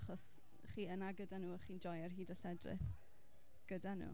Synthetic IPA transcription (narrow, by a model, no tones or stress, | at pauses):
χɔs | χiːənaɡədanuːχiːnd͡ʒɔjərɦiːdaɬɛdrɪ̰θ | ɡ̥ədanṵː